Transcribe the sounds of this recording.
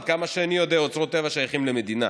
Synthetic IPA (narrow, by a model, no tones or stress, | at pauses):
d̪̚kamaʃeanijo̞d̪eaot͡sʁot̪ːevaʃajaχimleme̞d̪ina